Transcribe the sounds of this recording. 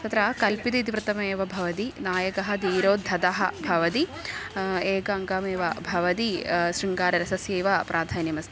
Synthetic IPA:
t̪ɐt̪ɾɐkɐlpid̪it̪̬iʋɾɨt̪ɐmeːʋɐbʱɐʋɐt̪inaːjɐkɐɦɐd̪iːɾoːd̪ʱːɐt̪ɐɦɐbʱɐʋɐt̪i | eːɡɐɐŋɡɐmeːʋɐbʱɐʋɐt̪̬iʃɾiŋɡaːɾɐɾɐsɐsjeːʋɐpɾʔaːd̪ʱaːnjɐmɐst̪ʰi

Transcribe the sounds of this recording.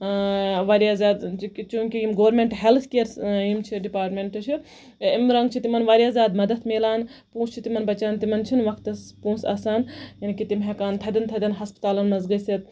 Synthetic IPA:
ʋaːɾjaːzʲaːd̪kt͡ʃũːŋkijimɡoʋɾmeɳʈɦelt̪ʰkeːɾsimt͡ʃʰiɖipaːɾʈmeɳʈt͡ʃʰi | imɾɐŋɡt͡ʃʰit̪imɐnʋaːɾjaːzʲaːd̪mɐd̪ɐt̪ʰmeːlaːnpũːst͡ʃʰit̪imɐnbɐt͡ʃaːnt̪imɐnt͡ʃʰinʋɐkʰt̪ɐspũːsa̰ːsaːnjɐnikit̪imɦekaːnt̪ʰɐd̪ɐnt̪ʰɐd̪ɐnɦɐspt̪aːlɐnmɐzɡɐsit̪̚

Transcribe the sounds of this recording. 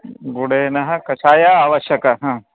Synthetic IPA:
ɡuɽeːnɐɦɐkɐt͡ʃʰaːjaaːʋɐʃjɐkɐɦãː

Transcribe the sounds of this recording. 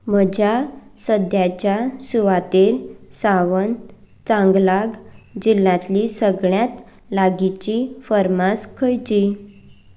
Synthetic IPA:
məd͡ʑʱjasəd̪jat͡ɕjasuʋat̪elsaʋən | t͡sãŋɡlaɡd͡ʑilːãt̪lisəɡɭjat̪ | laɡit͡ɕifəɾmaskʰəjt͡ɕi

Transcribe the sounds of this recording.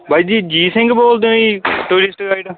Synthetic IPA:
bʱaːid͡ʒiːd͡ʒiːsɪ̃ŋɡboːld̪õiːʈuːɾɪsʈɡaːiɖ

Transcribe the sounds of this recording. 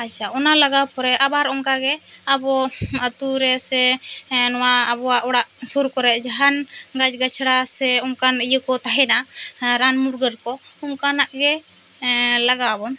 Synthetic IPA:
at͡ʃʰaɔnalaɡawpɔɾɛʔabaɾɔŋkaɡɛabɔət̪uɾɛsɛnɔwaːbɔwaʔɔɽaʔsuɾkɔɾɛʔd͡ʒaɦanɡad͡ʒɡat͡ʃʰɽasɛɔmkanijəkɔt̪aɦɛnaɾanmuɾɡəɾkɔɔmkanaʔɡɛ | laɡawabɔn

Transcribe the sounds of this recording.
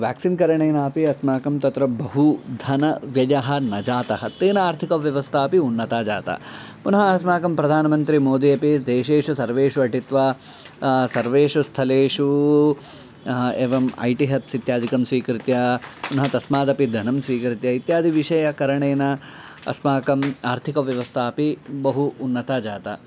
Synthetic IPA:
ʋja̰ːksinkɐɾɐɳeːnaːpiɐsmaːkɐmt̪ɐt̪ɾɐbɐɦud̪ʱɐnɐʋjɐjaɦɐ̆nɐd͡ʒaːt̪ɐɦɐt̪eːnɐaːɾt̪ʰikɐʋjɐʋɐst̪ʰaːpiunːɐt̪aːd͡ʒa̰ːt̪ɐ̰ | punɐɦɐɐsmaːkɐmpɾɐd̪ʱaːnɐmɐnt̪ɾimoːd̪ijɐpisd̪eːʃeːʂusɐɾʋeːʂuɐʈit̪ʋaː | sɐɾʋeːʂust̪ʰɐleːʂu | eːʋɐmɐ̰jʈiɦɐpsit̪jaːd̪ʱikɐmsʋiːkɾit̪jɐpunɐɦɐt̪ɐsmaːd̪ɐpid̪ʱɐnɐmsʋiːkɾit̪jɐit̪jaːd̪ʱiʋiʂɐjɐkɐɾɐɳeːnɐ | ɐ̰smaːkɐmaːɾt̪ʰikɐʋjɐʋɐst̪ʰaːpibɐɦuːnːɐt̪aːd͡ʒaːt̪ɐ

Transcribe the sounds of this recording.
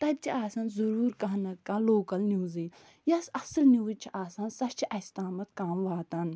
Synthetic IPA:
t̪ɐd̪̚t͡ʃʰiaːsɐnzɐɾuːɾkɐɦnɐt̪̚kãːloːkɐlnʲjuːziː | jɐsɐsɐlnʲjuːd̪t͡ʃʰiʔaːsɐnsɐt͡ʃʰiʔɐst̪aːmɐt̪kaːmʋaːt̪ɐn

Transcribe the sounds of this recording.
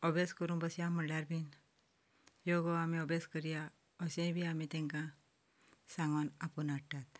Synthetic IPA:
ɔbeskəɾũnbəsjãməɽlaɾbʱin | joɡɔamiɔbeskəɾija | ɔsẽjbʱiamit̪ɛ̃ŋkã | sãŋɡənapənaɽʈat̪

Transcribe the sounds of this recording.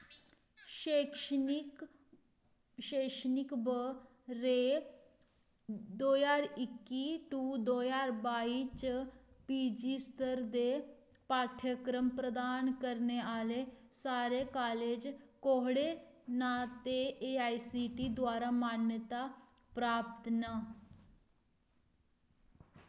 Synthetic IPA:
ɕekʂik | ɕeʂnikbə | ɾe | d̪ojaɾikːiʈud̪ojaɾbait͡ɕpid͡ʑist̪ʰəɾd̪e | paːʈʰjəkɾəmpɾəd̪aːnkəɾneaːlesaːɾekaːleːd͡ʒkoɦɽenaːt̪eeaːisiːʈid̪waːɾamaːnjət̪a | pɾaːpt̪na

